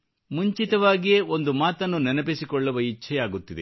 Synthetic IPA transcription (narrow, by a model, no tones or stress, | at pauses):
muɲt͡ʃit̪ɐʋaːɡije̞o̞nd̪umaːt̪ɐnːunɛnɐpisikɔɭːɐʋɐit͡ʃʰɛjaːɡut̪ːid̪ḛ